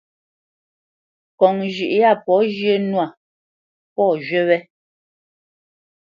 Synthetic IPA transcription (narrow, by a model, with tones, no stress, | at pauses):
kɔ˨ŋʒʉ˨ʔja˦˨pɔ˨˦ʒjə˦nwa˨ | pɔ˦˨ʒɥɛ˦wɛ˦